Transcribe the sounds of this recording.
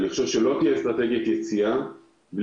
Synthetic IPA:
liχʃo̞vʃelot̪ijest̪ʁat̪e̞ɡjet̪jet͡sia | bl

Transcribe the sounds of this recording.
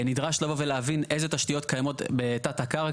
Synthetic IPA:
nidʁaʃlavo̞veleavinʔe̞jze̞t̪aʃtijo̞t̪̚kajamo̞tbetatakaʁ

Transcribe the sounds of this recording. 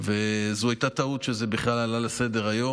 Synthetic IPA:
vezuajt̪at̪aut̪ʃezebiχlalalalase̞d̪eʁajo̞

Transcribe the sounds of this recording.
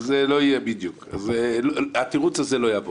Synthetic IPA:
zeloijɛbid̪juka̰zelat̪iʁut͡sazelojavo

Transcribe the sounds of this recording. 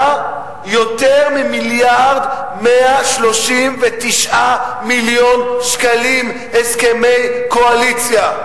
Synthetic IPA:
jot̪eʁmimiljaʁd̪ | meaʃlo̞ʃimvet̪iʃʔamiljonʃkalim | heskemejkoalit͡sja

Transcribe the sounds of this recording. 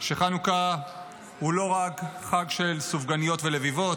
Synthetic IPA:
ʃeχanuka | hulo̞ʁakχaɡʃe̞lsufɡanijo̞tvelevivo̞t

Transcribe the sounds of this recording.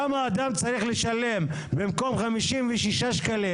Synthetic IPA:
amaːd̪amt͡saʁiχleʃale̞m | bemko̞mχamiʃimvɛʃiʃaʃkali

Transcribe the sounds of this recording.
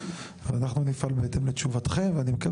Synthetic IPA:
valanaχnunifalbeet̪emlet͡ʃuvat̪χemveanimeka

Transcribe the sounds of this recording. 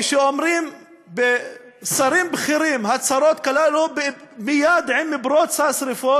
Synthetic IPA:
ʃeomɾim | be | saɾimbχiɾimɦat͡saɾot̪kalalubemijad̪ʕinːibɾot̪sasɾifo

